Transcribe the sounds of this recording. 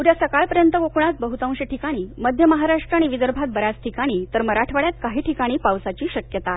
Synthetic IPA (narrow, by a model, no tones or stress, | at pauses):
uɾjasəkaɭpəɾjənt̪əʋokɳat̪̚bəɦut̪ãw̃ɕeʈʰikaɽ̃iːməd̪ʱjəməɦaɾaʂʈɾəaɽ̃iʋid̪əɾbʱat̪̚bəɾjat͡sʈʰikaɽ̃iːt̪əɾməɾaʈʰʋaɭjat̪̚kaɦiːʈʰikaɽ̃iːpaʋsat͡ɕiːɕəkjət̪a